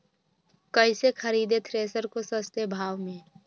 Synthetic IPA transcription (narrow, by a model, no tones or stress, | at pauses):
kɐɪsexʰɐɾiːd̪et̪ʰɾeːsəɾkosəst̪ebʱaːʋmẽː